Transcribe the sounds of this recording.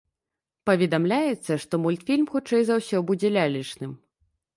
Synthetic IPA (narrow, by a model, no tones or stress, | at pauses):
pɐvʲɛd̪amlʲajɛt̪sːɐʂt̪ɔmulʲt̪fʲilʲmxut͡ʂɛjzawsʲɔbud͡zʲɛlʲalʲit͡ʂnɨm